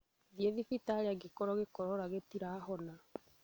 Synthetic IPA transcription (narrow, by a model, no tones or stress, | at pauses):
ðjeðifitaːɾeaɡekɔɾɔɣekɔɾɔɾaɣetiɾaːɦɔna